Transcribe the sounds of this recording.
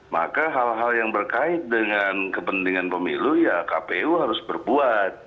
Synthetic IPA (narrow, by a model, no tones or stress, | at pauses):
ma̰kaɦalɦaljaŋbərkaɪt̪̚dəŋankəpənt̪iŋanpəmilujakapeuɦaɾʊsbərbuat̪̚